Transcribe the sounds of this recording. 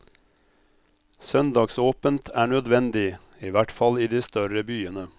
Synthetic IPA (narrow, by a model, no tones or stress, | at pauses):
sœnd̪ɑːɡsoːpənt̪ʰæːɳœd̪ʋɛnd̪ɪ | iːʋæʈfɑliːd̪iːst̪œɾəbyːənə